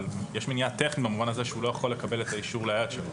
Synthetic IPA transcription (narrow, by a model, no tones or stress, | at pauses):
ljeʃmenijat̪e̞χnitbamuvanazeʃeulo̞jaχo̞lːekabe̞letaiʃuʁleaat̪ʃelo